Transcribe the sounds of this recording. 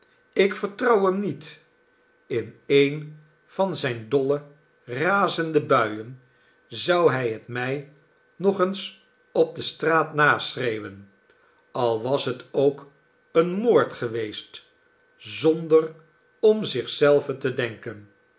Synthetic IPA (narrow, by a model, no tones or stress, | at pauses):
ɪkfəɹtrɑwəmnit | ɪnejn | v̥ɑnzɛjndɔlə | raːzəndəbœɥən | zɑwɦɛjɦətmɛj | nɔχəns | ɔb̚dəstraːtnaːsrejwən | ɑlˠʋɑsɦətowk | ənmoːɹtχəʋejst | zɔndər | ɔmzɪχsɛlˠvəntədɛŋkən